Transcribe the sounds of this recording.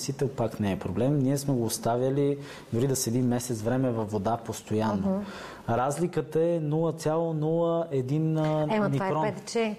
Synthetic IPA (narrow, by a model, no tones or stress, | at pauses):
sit̪ɛlˠpaknɛːpɾoblɛmniɛsmɛɡoːst̪avʲjəli | d̪ʊɾid̪ɐsɛd̪imːɛsɛt̪svɾɛmɛvɐfːod̪apost̪ojanːo | ɾazlikət̪əɛnulˠət̪sʲalˠonulˠəɛd̪inɛnikɾɔ